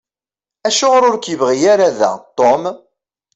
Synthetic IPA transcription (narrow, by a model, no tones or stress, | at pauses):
æʃʊʁɾʊɾkjəvʁijaɾaðæ̰t̪ˤːom